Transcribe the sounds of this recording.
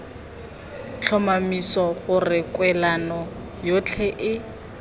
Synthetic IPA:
t͡ɬʰɔmamisɔɣʊrɪkwɛlanɔ | jot͡ɬʰɛʔɪ

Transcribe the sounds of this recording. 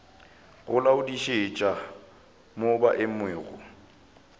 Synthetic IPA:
ɣʊlaʊdiʃet͡ʃʼa | mobaʔɪmweːɣʊ̰

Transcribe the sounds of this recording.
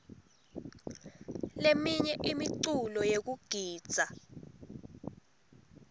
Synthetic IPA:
lemiɲɛʔimiǀulɔjek̬uɡ̥ʱiːd̥z̥ʱa

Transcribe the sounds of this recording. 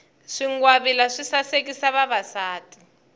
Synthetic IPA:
ʂiŋɡwaβilaʂisasek̬isaβaβasaːtʼi̥

